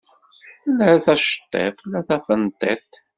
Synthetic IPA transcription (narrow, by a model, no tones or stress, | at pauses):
læɾæθæʃə̥t̪ˤːḛt̪ˤlæθæfənt̪ˤːet̪ˤ